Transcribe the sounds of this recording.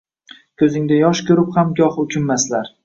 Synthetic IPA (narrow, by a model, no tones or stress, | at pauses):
kʰʲɵzɪŋd̪ajɒʃkʲʰɵɾɪphamɡʲɒhʊkʲʰɪmːaslaɾ